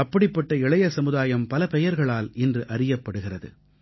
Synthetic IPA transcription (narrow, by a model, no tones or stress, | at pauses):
ɐpːɐɽɪpːɐʈːɐɪɭɐjɐsɐmɯðaːjɐmpɐlɐpɛjɐɾɣɐɭaːlɛndrɯʔɐrɪjɐpːɐɽɯɣɪrɐðɯ̰